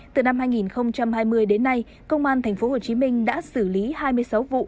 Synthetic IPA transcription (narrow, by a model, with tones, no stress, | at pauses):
t̪ɨ˨˩na˧mɦaː˧jŋi˨˩nxə˧wŋ͡mt͡ɕa˧mhaː˧jmɨ˧əjɗe˨˦nːa˧j | kə˧wŋ͡mʔaː˧nt̪ʰɛ˨˩ŋ̟fo˨˦ho˨˩t͡ɕi˨˦mï˧ŋ̟ɗa̰ː˧˥sɨ˧˩li˨˦haː˧jmɨ˧əjsa˨˦wvṵ˧˨